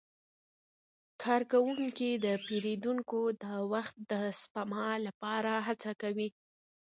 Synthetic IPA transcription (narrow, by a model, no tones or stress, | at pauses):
kʰɑɾkawuŋkid̪əpeɾed̪uŋkod̪əwaxt̪̚d̪əspamɑlapɑɾaɦat͡sakawi